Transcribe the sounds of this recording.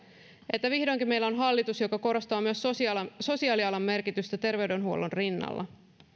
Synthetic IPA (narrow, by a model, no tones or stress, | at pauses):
e̞t̪ːæʋihdoŋkimejlːæo̞nɦɑlːit̪usjo̞kɑko̞ɾo̞st̪ɑːmyøsso̞siɑːliɑlɑmːe̞rkit̪yst̪æt̪e̞rʋe̞ɥde̞nɦuolonrinːɑ̰lːɑ̰